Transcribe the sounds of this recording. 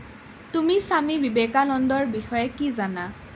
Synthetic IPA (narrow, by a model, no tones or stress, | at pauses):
tumisamibibekalɔndɔɹbixɔjɛkizana